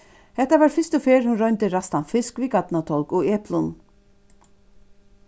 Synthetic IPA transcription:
hɛht̪avaːɾfɪst̪ʊfeːɾhʊnɾɔjnt̪ɪɾast̪anfɪskviɡat̪nat̪ʰɔlkɔɣɛːplʊn

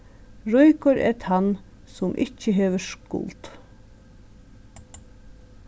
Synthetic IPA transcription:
ɹɔjkɔɾɛ̰ɾt̪ʰan | sʊmʔɪ̰t͡ʃːəɦeːʋəʃkʊ̰lt̪

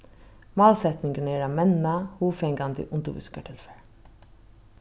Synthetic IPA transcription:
moːlsɛt̪nɪŋɡəɳeːɾɑːmɛnnɑhuːfɛŋɡɑnd̪ə̰ʔʊnd̪ṵːʋɪ̰skəʈʰɪlfəɹ

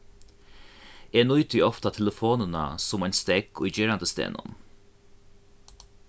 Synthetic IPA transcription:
eːnʊjt̪ʏjɔft̪at̪ʰɛləfoːnəna̰sʊmanst̪ɛɡʰʊjd͡ʒeːɹand̪əst̪ḛːnʊ̰n

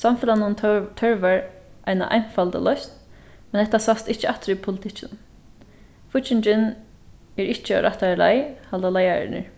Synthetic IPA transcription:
samfɪlanʊnt̪ʰœɹʋaɹʔa̰jna̰ʔa̰jnfalt̪ə̰lœst̪ | mɛnhɛht̪ːasast̪ɪt͡ʃːəat̪ɾipʰʊlɪt̪ʰɪt͡ʃːɪn | fʊt͡ʃɪɲt͡ʃɪn | ɛɹɪht͡ʃːəɔ̰ɾʔaht̪ala̰jhald̪alajaɾɪ̰nə̰ɹ

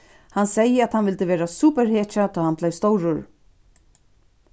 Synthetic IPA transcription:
hansɛjəæt̪hanvɪlt̪ɪvɛːɾasuːpɛɾheːt͡ʃat̪ʰɔjhanplɛjst̪ɔwɾʊɹ

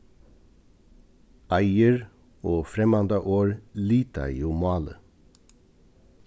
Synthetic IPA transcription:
ʔæɪəɹ | oːfɾɛmɑnd̪ɑʔoːɹliːt̪ɑ̰ɪjuːmɑːlə̰

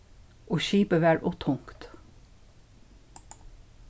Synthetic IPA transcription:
oːʃiːpəʋæːɹʔʊt̪ʰʊŋkt̪

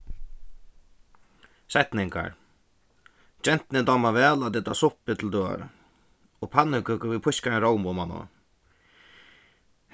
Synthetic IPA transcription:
sɛht̪nɪŋka̰ɹ | d͡ʒɛn̥t̪nɪd̪aːmavɛːlat̪ɪt̪a̰sʊhpɪt̪ʰɪld̪øːa̰ɾa̰ | ɔpʰanːɪkʏkəvipʰʊskaɛnɾɔwmɔmanɔ̰

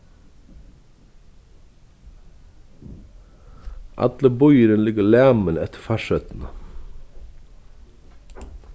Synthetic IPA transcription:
ʔɑ̰d̪ləbɔʏəɾənlɪɡəlæːmənɛt̪ʰə̥fæʃœt̪n̩

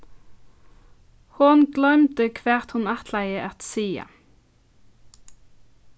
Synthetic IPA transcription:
hʊnɡlœmt̪əkʰʋeːʁt̪hʊnæt̪ʰlæɪəʔɛt̪siːə̰

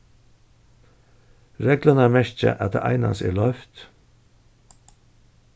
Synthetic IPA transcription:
ɾeːɡlɑnəæːmɛʃt͡ʃə̰ʔɑt̪̚ḛːʔæ̰ɪnɑ̰sḛːlœʏft̪

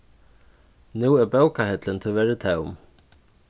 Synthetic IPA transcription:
nuːɛbœːwkahɛt̪lɪnt̪ʰɪvɛɾɪt̪ʰɛːʊ̰m

